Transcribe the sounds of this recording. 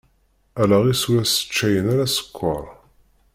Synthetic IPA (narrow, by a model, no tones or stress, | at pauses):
ælæʁisuɾæsə̥t͡ʃːæjənaɾæsə̥kʷʰːə̰ɾˤ